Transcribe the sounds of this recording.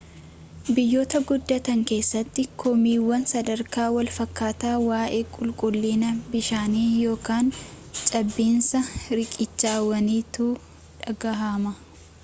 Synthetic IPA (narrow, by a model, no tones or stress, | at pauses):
bɪjːo̞ːt̪ɐɡʊd̪ːɐt̪ɐŋke̞ːsːɐt̪ːɪkʰɔmiːwːɐnsɐd̪ɐɾkaːwɐlfɐkːaːt̪aːwaːʔe̞ːkʼʊlkʼʊlːiːnɐbɪʃaːniːjo̞ːkaːn | t͡ʃʼɐbːiːnsɐɾɪkʼɪt͡ʃːaːwɐniːt̪uː | ᶑɐɡɐɦamɐ